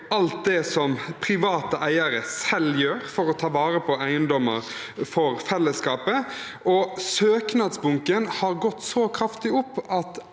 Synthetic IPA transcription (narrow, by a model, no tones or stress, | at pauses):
ɑlt̪̚d̪ɛsɔmpʰɾɪʋɑːt̪əʔæɪəɾəsɛljøːɾfɔɾɔt̪ʰɑːʋɑːɾəpʰɔæɪənd̪ɔməɾ | fɔɾfɛlːəskɑːpə | ɔsøːknɑd̪sbʊŋkənhɑɾɡɔt̪ːsɔkʰɾɑft̪ɪʊpːɑt̪